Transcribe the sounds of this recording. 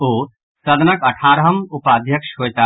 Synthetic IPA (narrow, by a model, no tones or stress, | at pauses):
oː | sɐd̪nɐkɐʈʰaːɾɦɐmupaːd̪ʱjəkʃɦoːjt̪aː